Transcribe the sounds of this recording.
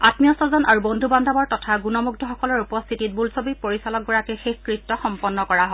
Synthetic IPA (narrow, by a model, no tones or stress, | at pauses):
atmijɔsɔzɔnaɹubondʱubandʱabɔɹtɔtʰaɡunɔmuɡ̚dʰɔxɔkɔlɔɹupɔst̪ʰitit̚bulsobipoɹisalɔk̚ɡɔɹakɛxexkɹip̚tːɔxɔmpɔnːɔkɔɹaɦɔ